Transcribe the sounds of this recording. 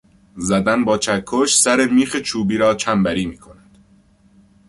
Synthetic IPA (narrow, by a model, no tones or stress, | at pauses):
zæd̪ænbɒːt͡ʃʰækʰːoʃsæɾemiːxet͡ʃʰuːbiːɾɒːt͡ʃʰæmbæɾiːmiːkʰo̞næd̪̥